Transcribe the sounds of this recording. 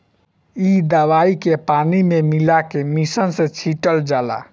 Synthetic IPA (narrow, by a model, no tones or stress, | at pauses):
id̪əʋaikepanimemilakemisənsẽt͡ʃʰiʈəld͡ʒala̰